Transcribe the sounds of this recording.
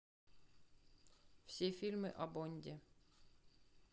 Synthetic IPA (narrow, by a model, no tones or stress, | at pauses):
fsʲefʲilʲmɨʔɐbonʲd̪ʲɪ